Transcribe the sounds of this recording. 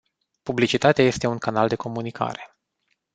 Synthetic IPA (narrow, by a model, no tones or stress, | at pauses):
publit͡ʃit̪at̪eaje̞st̪e̞uŋkanald̪e̞kʰo̞munikʰa̰ɾe̞